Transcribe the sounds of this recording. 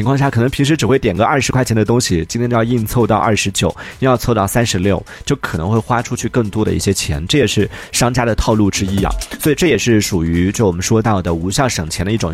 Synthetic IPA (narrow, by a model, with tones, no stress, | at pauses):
t͡ɕʰŋkʰwɑ˥˧ŋɕja˥˩kʰɤ˨˩nɤ˧˥ŋpʰi˧˥ŋʂ̬ɻ̩˧˥ʈ͡ʂɻ̩˨˩xwe˥˩ɪt̪jɛ˨˩nɡə˧˦ʔɐ˥˩ʂɻ̩˧˥kʰwa˥˩t͡ɕʰjɛ˧˥nd̪ə˧t̪ʊ˥ŋɕi˨t͡ɕi˥t̪ʰjt͡ɕjjɑ˥˧i˥˧nt͡sʰo˥˧ʊt̪ɑ˥˧ʊʔɐ̰˥˩ʂɻ̩˧˥t͡ɕjo˨˩˦ʊi˥jɑ˥˧t͡sʰo˥˧ʊt̪ɑ˥˩ʊsa˥nʂɻ̩˧˥ljo˥˩ʊt͡ɕjo˥˩ʊkʰɤ˨˩ɤ˧˥ŋxwe˥˩ɪxwa˥ʈ͡ʂʰu˥t͡ɕʰy˥˧kɤ˥˩ŋt̪wɔ˥ɾə̰˧ḭ˥˩ɕjɛ˥t͡ɕʰjɛ̰˧˥nʈ͡ʂɤ˥˩jɛ˨˩ʂɻ̩˥˩ʂɑ˥ŋt͡ɕja˥d̪ə˨t̪ʰɑ˥˧ʊlu˥˩ʈ͡ʂɻ̩˥ḭ˥˨swi˨˩ʈ͡ʂɤ˥˩jɛ˨˩ʂɻ̩˥˩ʂu˨˩y˧˥t͡ɕjo˥˩wɔ˨˩mə˦nʂwɔ˥t̪ɑ˥˩ʊd̪ə˩u˧˥ɕjɑ˥˩ʊʂɤ˨˩ŋt͡ɕʰjɛ˧˥nd̪ə˧i˥˩ʈ͡ʂʊ˨˩ŋ